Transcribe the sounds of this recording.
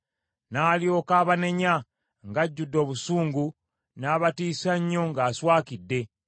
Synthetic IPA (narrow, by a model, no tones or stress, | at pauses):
naːljo̞ːkaːβane̞ɲa | ŋɡaɟːudːo̞ːβusuːŋɡu | naːβatiːsaɲːo̞ŋɡaːswaːkidːe̞